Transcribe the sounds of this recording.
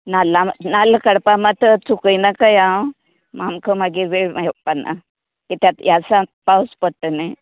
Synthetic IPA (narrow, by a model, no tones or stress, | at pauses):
nalamnalkɐɽpamat̪ət͡sukəjnakajã | mamkəmaɡiɾʋeɽmajpana̰ | kit̪jat̪jasapawspəʈːəne